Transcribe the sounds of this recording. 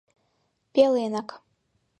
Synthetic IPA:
pʲelˠenak

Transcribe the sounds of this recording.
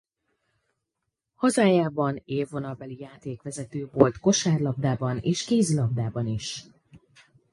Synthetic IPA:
hɒzaːjaːbɒneːvːo̞nɒlbɛlijaːt̪eːkʋɛzɛt̪øːvo̞lt̪ko̞ʃaːrlɒbd̪aːbɒneːʃkeːzlɒb̚d̪aːbɒniʃ

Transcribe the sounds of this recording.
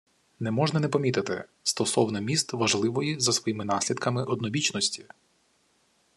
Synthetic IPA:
nɛmɔʒnɐnɛpɔmʲit̪ɪt̪ɪ̰st̪ɔsɔwnɔmʲist̪ʋɐʒlˠɪʋɔjizɐsʋɔjimɪnɑsʲlʲid̪kɐmɪʔɔd̪nɔʋʲit͡ʃnɔsʲtʲi

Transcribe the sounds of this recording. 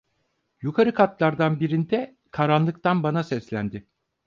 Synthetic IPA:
jukʰaɾɯkʰat̪lˠaɾd̪anbiɾind̪ɛ | kʰaɾanlˠɯk̚t̪anbanasɛslʲænd̪ɪ

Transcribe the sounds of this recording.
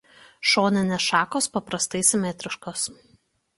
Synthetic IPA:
ʃoːnʲɛnʲɛʃɑːkoːspɐpɾɐst̪ɐɪsʲɪmʲɛt̪ʲɾʲɪʃkoːs

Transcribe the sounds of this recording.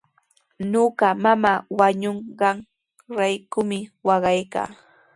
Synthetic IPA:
noɢɑmamaːwaɲoɴɢɑŋ | ɾajkʊmɪwɑɢɑjka̰ː

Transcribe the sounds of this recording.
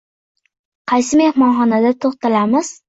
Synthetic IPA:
qʰɑjs̬ɪme̞hmɒnχɒnad̪at̪ʰoχt̪alamɪz̥

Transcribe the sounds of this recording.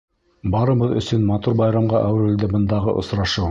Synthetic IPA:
bɑɾɤ̆βɤðɵ̰̆sɵnmɑt̪uɾbɑjɾɑmʁɑʔæwɾɘld̪ɘbɤ̆nd̪ɑʁɤ̰ʔŏ̰sɾɑʃɤ

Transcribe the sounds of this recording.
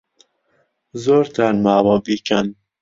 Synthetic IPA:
zoɾt̪ʰanmaːwɔːbikan

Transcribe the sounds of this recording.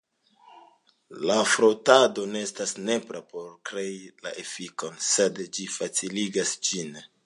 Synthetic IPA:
lafɾotado̞ne̞estasne̞pɾapo̞ɾkɾe̞ila̰ʔefiko̞nse̞dd͡ʒifat͡siliɡasd͡ʒin

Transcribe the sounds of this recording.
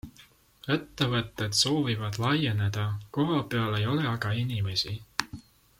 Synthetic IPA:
et̪ːevɤt̪ːˑed̪̥so̞ːvivɑd̪̥lɑje̞ne̞d̪̥ɑko̞ɦɑpeɑle̞jo̞le̞ɑɡɑinime̞si

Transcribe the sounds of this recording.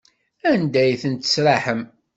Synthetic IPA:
ænd̪æjθənt̪ə̥sɾaħəm

